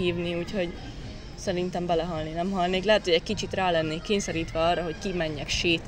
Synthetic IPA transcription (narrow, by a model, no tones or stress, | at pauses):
iːvniuːcho̞ɟ | sɛɾint̪ɛmbɛlɛɦɒlninɛmɦɒlneːklɛɦɛt̪ho̞ɟɛc̚kit͡ʃit̪raːlɛnːeːkːeːɲsɛɾiːt̪ʋɛɒrːɒɦo̞ckimɛɲːɛkʃeːt̪